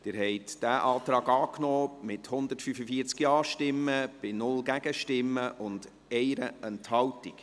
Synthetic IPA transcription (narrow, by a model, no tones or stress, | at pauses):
d̥ɪːɾɦɛɪtd̥æːʔɑːtɾɑːɡɑːknɔːmɪthʊnd̪ətfyfəfiəɾt͡skjɑːʃtɪmːəb̥ɪnʊlɡæɡəʃtɪmːəʔʊnd | ɛɪɾəʔɛnthɑwtik